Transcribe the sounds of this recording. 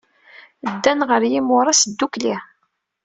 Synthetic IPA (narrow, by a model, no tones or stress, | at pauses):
d̪ːænʁəɾjimʊɾˤɑsəd̪ːukli